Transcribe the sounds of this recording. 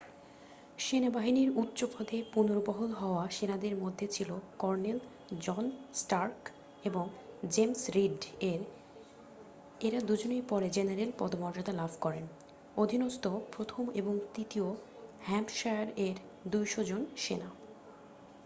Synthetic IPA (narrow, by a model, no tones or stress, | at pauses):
ʃenabaɦiniɾut̪ːɕopʰod̪epunoɾbɔɦolɦɔoaʃenad̪eɾmod̪ʱːet͡ɕʰilokɔɾnel | d͡ʑɔnsʈaɾk | eboŋd͡ʑemsɾiɖeɾ | eɾad̪ud͡ʑonejpɔɾed͡ʑenaɾelpɔd̪omɔɾd͡ʑod̪alabʱkɔɾen | od̪ʱinost̪opɾot̪ʰomḛboŋt̪ɾit̪io | hɛmʈʃaaɾeɾ | d̪ujʃod͡ʑonʃena